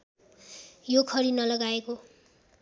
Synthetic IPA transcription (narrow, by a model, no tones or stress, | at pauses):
jokʰʌɾinʌlʌɡaeko